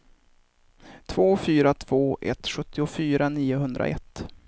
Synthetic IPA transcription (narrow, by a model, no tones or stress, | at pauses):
t̪ʰv̥oːfyːɾat̪ʰv̥oːʔɛ̰t̪ɧɵt̪ʰːɪʊfyːɾaniːʊɦɵnd̪ɾa̰ʔɛ̰t̪ː